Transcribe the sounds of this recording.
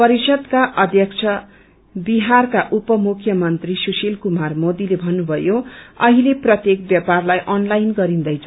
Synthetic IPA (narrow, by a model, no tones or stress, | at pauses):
pʌɾisʌd̪kaʔʌd̪ʱjʌkt͡sʰʌ | biɦarkaʔupʌmukʰjʌmʌnt̪risusilkumarmod̪ilebʱʌnːubʱʌjoʌɦileprʌt̪jek̚bjʌparlajʔʌnlajnɡʌɾind̪ʌjt͡sʰ